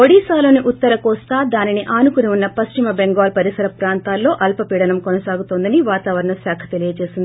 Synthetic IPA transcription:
oɽiːsaːloːniʔut̪ːɐɾɐkɔːst̪aːd̪aːniniʔaːnukuniunːɐpɐst͡ʃimɐbeŋɡaːlpɐɾisɐɾɐpɾaːnt̪aːlːo̞ːʔɐlpɐpiːɽɐnɐmkonɐsaːɡut̪oːnd̪ɐniʋaːt̪aːʋɐɾɐɳɐsjaːkʰɐ̥t̪elijɐt͡ʃe̞ːsind̪ii

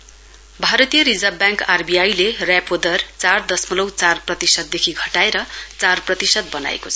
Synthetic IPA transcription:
bʱaɾʌt̪ijʌɾid͡zʌbjãŋkarbijajlerjapod̪ʌrt͡sard̪ʌsmʌlʌwt͡sarprʌt̪isʌd̪̚d̪ekʰiɡʱʌʈaeɾʌt͡sarprʌt̪isʌd̪̚bʌna̰ḛkot͡sʰʌ̥

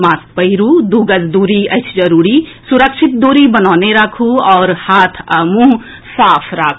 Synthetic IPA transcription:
maːspəɪɾud̪uɡəd͡ʒd̪uːɾiət͡ʃʰd͡ʒəɾuːɾisuɾəkʃʰit̪̚d̪oːɾibənaːneɾakʰuɔːɾhat̪ʰmũɦ | saːpʰɾakʰ

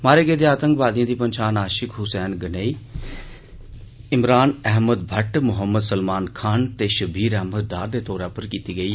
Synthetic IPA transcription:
maːɾeːɡeːd̪eːaːt̪ə̃ŋkʋaːd̪ijãːd̪iːpənʃaːnaːʃɪkʰɦʊsɛːnɡəneːiː | ɪmɾaːnɛɦməd̪bʱəʈmʊɦəmːəd̪səlmaːnkʰaːnt̪eːʃəbʱiːɾɛɦməd̪̚ːaːɾd̪eːt̪ɔːɾaːpəɾkiːt̪iːɡəiː

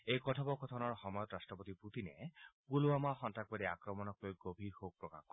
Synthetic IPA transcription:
ejkɔtʰɔbɔkɔt̪ʰɔnɔɹxɔmɔjɔt̪ɹastɹɔpot̪ipɹut̪inɛ̰puluamaxɔntak̚badiakɹɔmɔnɔkojɡobʱiɹhok̚pɹɔka̰kɔ

